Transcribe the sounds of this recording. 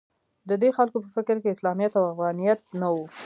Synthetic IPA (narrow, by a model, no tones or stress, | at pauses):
d̪əd̪exalkopəfɪkɾkeɪslɑmijat̪awafɣɑnijat̪̚nawu